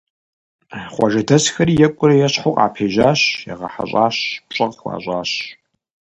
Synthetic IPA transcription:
χʷɔ̰ʒɐdʰɐsxɐɾijɛkʷʼʊɾɐjɛɕħʊqʼa̰ːpʰeːʒaːɕjɛ̰ʁɐ̰ħa̰ɕʼaːɕpɕʼɐqxʷɑ̰ːɕʼaːɕ

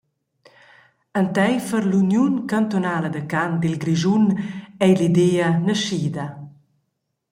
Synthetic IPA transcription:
ənt̪ɛjfəɾlunjunkant̪onaːləd̪əkand̪ilɡɾiʒunɛjlid̪eənəʃid̪ɐ

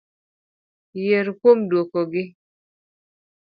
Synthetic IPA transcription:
jeɾkomdokɔɡɪ

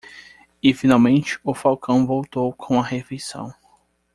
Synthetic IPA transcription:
ɪfinawmẽnt͡ʃɪ̥ʊfawkɐ̃w̃vowt̪owkʰõw̃ɐhefejsɐ̰̃w̃

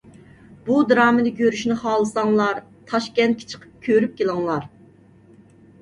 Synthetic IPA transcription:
bud̪ɾɑːmɨd̪ɨɡʲøɾyʃnɪχɑːlˠɨsɑŋlˠɑɾ | t̪ʰɑʃkʲɛnt̪̚kʲʰi̥t͡ʃʰə̥qʰə̥p̚kʲʰøɾyp̚kʲelˠɨŋlˠɑɾ

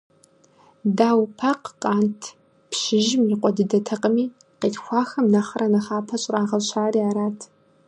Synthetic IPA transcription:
daːwpʰaqqʼaːntʰ | pʰʃɪʒɪmjiqʷʼɔdɨdɐtʰɐqʼəmiː | qeːtxʷɑːxɐmnaχɐrʔɐnɐχaːpʰɐɕʼraːʁɐɕʰaːriːaːɾaːtʰ

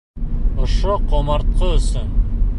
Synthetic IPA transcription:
ŏʃoqʰomɑɾt̪̚qəɵsɵn

